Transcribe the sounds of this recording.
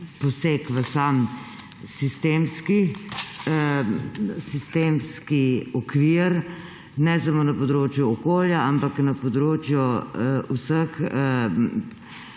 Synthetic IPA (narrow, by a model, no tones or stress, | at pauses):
pɔsekʋəsam | sist̪eːmski | sist̪eːmskiɔkʋiːɾ | nɛsɐmoːnɐpɔd̪ɾoːt͡ʃjuɔkoːljaampaknɐpɔd̪ɾoːt͡ʃjɔusəx